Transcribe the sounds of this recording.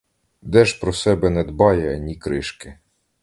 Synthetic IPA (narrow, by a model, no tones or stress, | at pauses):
d̪ɛʒpɾɔsɛbɛnɛd̪bɑjɛɐnʲikɾɪʃkɪ